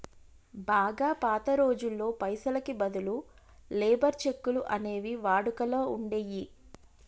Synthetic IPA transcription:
baːɡaːpaːt̪ɐɾo̞ːd͡ʒulːo̞ːpɐjsɐlɐkibɐd̪ulu | leːbɐɾt͡ʃe̞kːuluʔɐne̞ːʋiʋaːɽukɐloːuɳɖe̞ːji

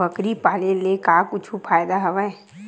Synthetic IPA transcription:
əkɾipaːlelekaːkʊt͡ʃʰupʰaːjd̪aɦɐʋa

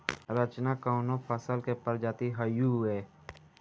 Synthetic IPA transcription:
ɾət͡ʃnakaʊnõpʰəsəlkepəɾd͡ʒaːt̪iɦəjuɛː

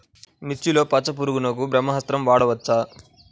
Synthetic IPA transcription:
nit͡ʃːilo̞ːpɐt͡ʃːɐp̬uɾuɡunɐk̬ubɾɐmːɐɦɐst̪ɾɐmʋaːɽɐʋɐt͡ʃːaː

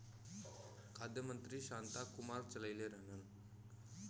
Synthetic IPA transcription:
kʰad̪ʱjəmənt̪ɾiːɕant̪akumaɾt͡ɕəlajleɾanən

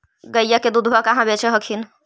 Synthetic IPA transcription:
ɡəjjaked̪ud̪ʱbʱakaɦãbet͡ʃʰeɦəkʰin

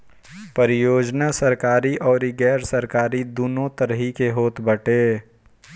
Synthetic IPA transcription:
pəɾɪjoːd͡ʒnasəɾkaːɾiʔɔːɾiɡɛːɾsəɾkaːɾid̪unõt̪əɾɦikeɦoːt̪bəʈeː

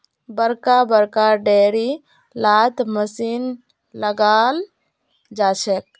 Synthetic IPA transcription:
bəɾkabəɾkaɖeɾi | lat̪məsin | ləɡal | d͡ʒat͡ʃʰɛk

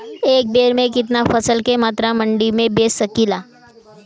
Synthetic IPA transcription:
eːk̚beːɾmẽk̬ɪt̪nafəsəlkemaːt̪ɾamɐ̃ɳɖimẽbeːsəkiːlaː

